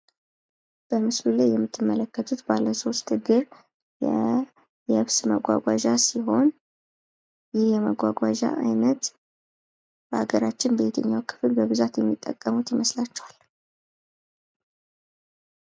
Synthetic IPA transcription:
b̥əmɨslulajːɛmːɨt̪ʰːɨmːələkːət̪ʰut̪balːəso̞st̪ɨɡɨɾ | jɛ | jɛɨβsməɡʷa̰ɡʷaʒasiɦo̞n | jɪhjɛməɡʷaɡʷaʒa̰ʔajnət̪ | b̥əhaɡəɾat͡ʃːɪnbet̪ʰəɲːawkʰɨ̥fɨlbəβɨzat̪jɛmːit̪ʼːə̰kʼːəmut̪jɪməslat͡ʃːɛwal

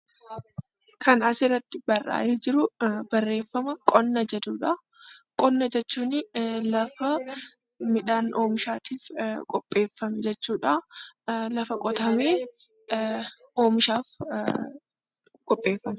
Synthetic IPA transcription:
kʰɐnɐsɪrːɐt̪ːɪbɐrʔa̰ːʔed͡ʒɪɾʊbɐrːe̞ːfːɐmɐkʼɔnːɐd͡ʒɐd̪uːᶑɐ | kʼɔnːɐd͡ʒɛt͡ʃːuːnɪlɐfɐ | mɪᶑaːnʔoːmɪʃaːt̪iːfkʼɔpʼːe̞ːfːɐmɛd͡ʒɛt͡ʃːuːᶑɐ | lɐfɐkʼɔt̪ɐmeː | oːmɪʃaːf | kʼɔpʼːe̞ːfːɐm

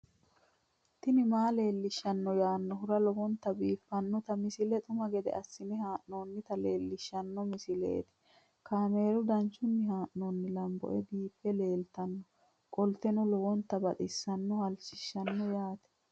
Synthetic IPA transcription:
t̪ːɪnɪmaːle̞ːlːɪʃːɐnːɔjaːnːɔɦʊɾɐlɔwɔnt̪ːɐbiːfːɐnːɔt̪ɐmɪsɪlɛt̪ʼʊmɐɡɛd̪ɛ̰ʔɐsːɪnɪhaːʔno̞ːnːɪt̪ɐle̞ːlːɪʃːɐnːɔmɪsɪlḛːt̪ɪ̥ | kaːme̞ːɾʊd̪ɐnt͡ʃːʊnːɪɦaːʔnonːɪlɐmbɔ̰ʔɛbiːfːɛle̞ːlt̪ɐnːɔ | kʼɔlt̪ːɛnʊlɔwɔnt̪ːɐbɐt̪ʼɪsːɐnːɔhɐlt͡ʃːɪʃːɐnːɔjaːt̪ɛ̥

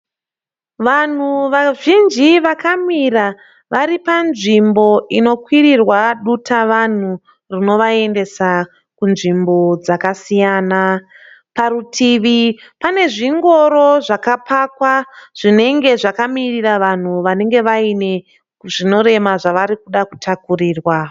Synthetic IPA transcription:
ʋan̤uʋaʒind͡ʒiʋakamira | ʋaɾipanʐimbo̞ʔino̞kwirirwaɗutaʋan̤u | rino̞ʋae̞nde̞sa | kunʐimbo̞d͡zakasijaːna | paɾutʰiʋipane̞ʐiŋɡo̞ɾo̞ʐakapakwaʐ̥ine̞ŋɡe̞ʐakamiriraʋan̤uʋane̞ŋɡe̞ʋaine̞ | kuʐino̞ɾe̞maʐaʋaɾikuɗaku̥tʰakuriːrwa

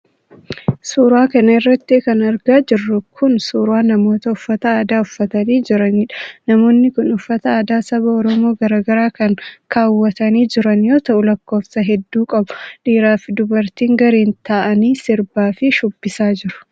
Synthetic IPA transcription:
suːɾwaːkɐnɐɪrːɐt̪ːɪkɐnɐɾɡaːd͡ʒɪrːʊkʰʊnsuːɾwaːnɐmo̞ːt̪ɐʊfːɐt̪ɐaːd̪aːʊfːɐt̪ɐniːd͡ʒɪɾɐnɪᶑɐnɐmo̞ːnːɪkʊnʊfːɐt̪ɐaːd̪aːsɐβɐɔɾɔmo̞ːɡɐɾaːɡɐɾaːkɐŋkʰaːwːɐt̪ɐniːd͡ʒɪɾɐnjoːt̪ɐʔʊlɐkːo̞ːfsɐɦɛd̪ːuːkʼɐbʊᶑiːɾaːfɪd̪ʊbɐɾt̪iːŋɡɐɾeːnt̪ɐʔɐniːsɪɾbaːfɪʃʊbːɪsaːd͡ʒɪɾʊ̥

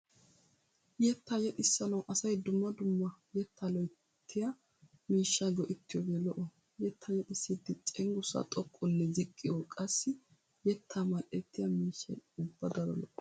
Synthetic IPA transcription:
jɛt̪ːɐjɛt̪ʼɪsːɐnɐwʔɐsɐjd̪ʊmːɐd̪ʊmːɐjɛt̪ʰːɐlɔj | t̪ʰːɪjɐ | miːʃːɐɡɔʔɪt̪ːɪjɔɡelɔʔɔ | jɛt̪ʰːɐjɛt̪ʼɪsːit̪ːɪt͡sʼɛŋɡʊsɐ̰t̪ʼɔkʼːɔlːɛzɪkʼːɪjokʼɐsːɪ | jɛt̪ʰːɐmɐʔːɛt̪ʰːɪjɐmiːʃːɐ̰jʊbːɐd̪ɐɾɔ̰lɔʔɔ

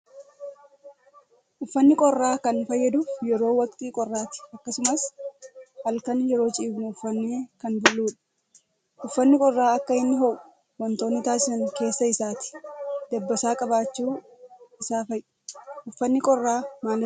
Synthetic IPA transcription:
ʔʊfːɐnːɪkʼɔrːaːkɐnfɐjːɐd̪uːfjɛɾo̞ːwɐkt̪iːkʼɔrːaːt̪ɪ̥ʔɐkːɐsʊmɐs | hɐlkɐnjɛɾo̞ːt͡ʃʼiːbnʊʊfːɐnːeːkɐnbʊlːuːᶑɐ̥ | ʔʊfːɐnːɪkʼɔrːaːɐkːɐhɪnːɦɔʔʊ̥ | wɐnt̪o̞ːnːɪt̪aːsɪɐŋke̞ːsːɐɪsaːt̪ɪ̥d̪̥ɐbːɐsaːkʼɐbaːt͡ʃːuː | ɪsaːfɐjʔɪ̥ʔʊfːɐnːɪkʼɔrːaːmaːlɐ

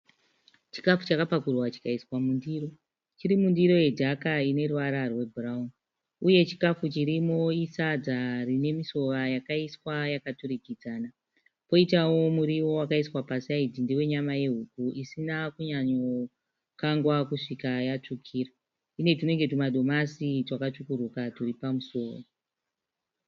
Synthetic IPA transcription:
t͡ʃi̥kafut͡ʃakapakurwat͡ʃi̥kaiswamundiɾo̞ | t͡ʃiɾimundiɾo̞je̞dʱakaine̞ruʋaɾarwe̞bʱuraun | uje̞t͡ʃi̥kafut͡ʃiɾimo̞isad͡zarine̞miso̞ʋajakaiswajakatuɾikid͡zaːna | po̞itawo̞muɾiwo̞wakaiswapasaid͡zindiwe̞ɲamaje̞ɦukuʔisinakuɲaɲo̞ | kaŋɡwakuʂikajat͡ʂukʰiːra | ine̞tune̞ŋɡe̞tumaɗo̞masitwakat͡ʂukurukaturipamuso̞ːʋo

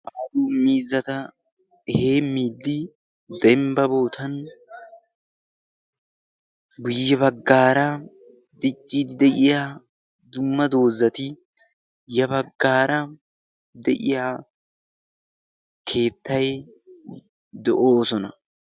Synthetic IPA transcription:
ʔaːd̪umiːzːɐt̪ɐ | he̞ːmːiːd̪ːɪ | d̪ɛmbɐbo̞ːt̪ʰɐn | ɡʊjːɛβɐɡːaːɾɐ | d̪ɪt͡ʃʼːiːd̪ɪd̪ɛʔɪjaː | d̪ʊmːɐd̪o̞ːzːɐt̪ɪ | jɐbɐɡːaːɾɐ | d̪ɛʔɪ̰jaː | kʰe̞ːt̪ʰːɐj | d̪ɛʔoːsɔnɐ

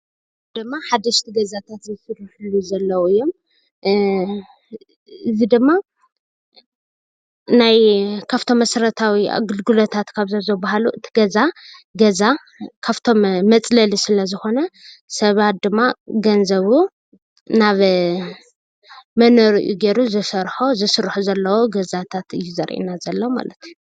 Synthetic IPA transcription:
d̪̥ɨmːaħad̪ɐʃt̪ʰiɡɐzat̪ʰat̪zɨfɨɾħuluzɐlːɐwuɨjːo̞m | ɨzid̪ɨmːa | najkʰaft̪ʰo̞mːɐsɐɾɐt̪ʰawḭɡɨlɡulot̪ʰat̪kʰaβzɐzɐbaɦaluʔɨt̪ʰi̥ɡɐzaɡɐza | kʰaft̪ʰo̞mːɐt͡sʼlɐlisɨlɐzɨxo̞nɐ | sɐβat̪̚d̪ɨmːaɡɐnzɐβu | naβ | mɐnoɾḭʔuɡeɾuzɨsɐɾħozɨsɨɾħuzɐlːɐwoɡɐzat̪ʰat̪ɨjːuzɐɾʔḭnazɐlːɐwma̰lɐt̪ʰuju

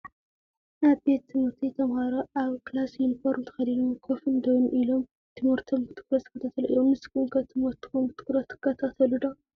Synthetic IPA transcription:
naβbe̞t̪ːɨmɨɾt̪ʰit̪ʰɐmhaɾoʔaβkɨlasjunifoɾmt̪ʰɐ̥xɐlilumkʰofɨnd̪ɐwnʔilo̞m | t̪ʰɨmɨɾt̪ʰombɨt̪ʰɨ̥kɾɐt̪ɨkːɐt̪ʰat̪ʰɐluʔɨ̰jːomnɨskuŋkʰɐt̪ʰɨmɨɾt̪ːɨ̥xombɨt̪ʰɨ̥kɾɐt̪ːɨ̥kʰːɐt̪ʰat̪ʰɐlud̪ɐ

